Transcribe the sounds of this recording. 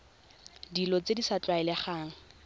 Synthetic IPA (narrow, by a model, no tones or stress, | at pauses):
dilɔt͡sedisat͡ɬʼwaɛlɛχaːŋ̩